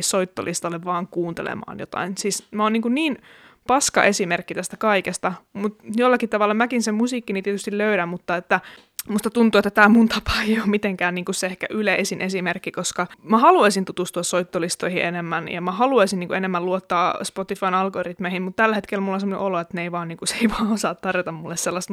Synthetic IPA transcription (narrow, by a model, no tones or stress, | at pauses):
ssoit̪ːo̰lʔist̪ɑlːeʋʋɑːŋkuːnt̪ḛlḛmɑ̰ːnjo̰t̪ɑ̰insiːsmæoːniːŋkunniːn | pɑskɑ̰ʔesimerkːit̪æst̪ækɑikest̪ɑmut̪jolːɑkitt̪ɑʋɑlːɑmækinsemusiːkːinit̪iet̪yst̪iløyɾæmmut̪ːɑet̪ːæ | must̪ɑt̪unt̪uet̪ːæt̪æːmunt̪ɑpɑ̥ːejommit̪eŋkæːnniːŋkusseehkæ̰ʔyleʔesinʔesimerkːikoskɑmæhɑluɑisint̪ut̪ust̪uɑssoit̪ːolist̪oihiʔenemːænjɑ̰mæhɑluɑisinniːŋkuenemːæluot̪ːɑːspot̪ifɑinɑlɡorit̪mehimmut̪t̪ælːhet̪kelmulːonsemːonḛʔoloet̪neeiʋɑːnniːŋkuseiʋɑːosɑːt̪t̪ɑrjot̪ɑmmulːesselːɑst̪